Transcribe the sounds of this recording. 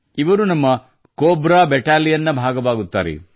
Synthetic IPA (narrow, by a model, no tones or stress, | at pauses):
iʋɐɾunɐmːɐ | koːbɾaːbɛʈaːlijɐnːɐbʱaːɡɐʋaːɡut̪ːaːɾḛ